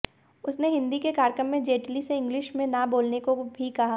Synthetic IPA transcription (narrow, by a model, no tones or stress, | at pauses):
ʊsneɦɪ̃nd̪ikekaːɾkəmːẽd͡ʒeːʈliseɪ̃ŋɡlɪʃmẽnaboːlnekobʱikɐɦa